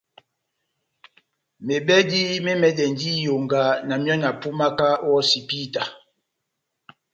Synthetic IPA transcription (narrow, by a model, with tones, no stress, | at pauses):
me˨bɛ˦di˦me˦mɛ˨dɛ˨ndi˦jo˨ŋɡa˨na˨mjɔ˦na˨pu˦ma˦ka˦wɔ˦si˨pi˦ta˨